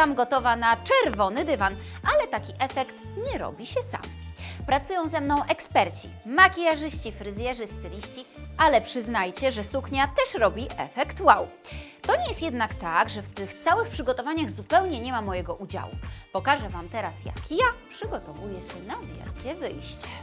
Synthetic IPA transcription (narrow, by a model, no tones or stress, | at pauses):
t̪amɡɔt̪ɔvanat͡ʂɛɾvɔnɘd̪ɘvan | ʔalɛt̪akʲiʔɛfɛkt̪ɲɛɾɔ̰bʲiɕɛsa̰mpɾat̪sujɔ̃w̃zɛmnɔ̃w̃ʔɛkspɛɾt͡ɕi | makʲijaʐɘɕt͡ɕifɾɘzʲjɛʐɘst̪ɘɾʲiɕt͡ɕiʔalɛpʂɘznajt͡ɕɛʐɛsukɲat̪ɛʂɾɔbʲiʔɛ̰fɛkt̪wawt̪ɔɲɛjɛst̪jɛd̪nakt̪aɡʐɛft̪ɘxt̪sawɘxpʂɘɡɔt̪ɔvaɲaɣzupɛwɲɛɲɛmamɔjɛɡɔʔud͡ʑa̰wṵpɔkaʐɛvamt̪ɛɾasja̰kjapʂɘɡɔt̪ɔvujɛɕɛnavʲjɛ̰lkʲɛvɘjɕt͡ɕɛ̥